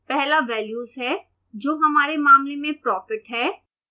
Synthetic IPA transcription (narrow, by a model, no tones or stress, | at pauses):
pɛɦlaʋɛːljuːzɦɛː | d͡ʒoːɦɐmaːɾemaːmlemẽpɾɔːfɪʈɦɛː